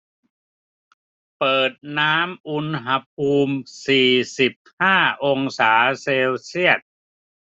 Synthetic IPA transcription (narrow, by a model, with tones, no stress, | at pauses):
pɤː˨˩t̪̚naː˦˥mʔu˧nɦa˧pʰuː˧msiː˨˩si˨˩p̚haː˥˩ʔo˧ŋsaː˩˦seː˧wsi˥˩ət̪̚